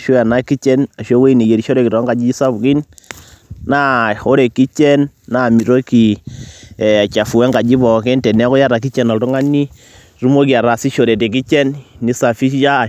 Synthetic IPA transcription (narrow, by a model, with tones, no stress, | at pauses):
ʃo˦ja˨na˦ki˦t͡ʃɛ˦na˨ʃo˦we˦i˦ne˨je˨ɾi˨ʃo˦ɾe˨ki˨ɾɔ˨˦ŋɡa˨d͡ʒi˦i˦sa˦bki˦n | na˦o˦ɾe˨ki˦t͡ʃɛ˦nːa˨mi˨ɾo˦ki˨ | ɛ˨a˨t͡ʃa˨fu˨ɛ˦ŋɡa˨d͡ʒi˦bɔ˨kɛ˦ntɛ˨nɛ˦kɔ˦ja˦ɾa˨k̬i˦t͡ʃɛ˨nɔ˨ltu˦ŋa˦ni˦ | ru˦mo˦ki˨a˨ɾa˨si˦ʃo˨ɾe˨te˨k̬i˦t͡ʃɛ˦nni˨sa˨fi˦ja˦˨